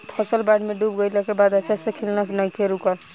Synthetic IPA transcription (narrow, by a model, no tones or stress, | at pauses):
pʰɔsəlbaɖmeɖubɡəjlɛkebad̪ət͡ʃʰasekʰilnas̬nəjk̪ʰeɾukəl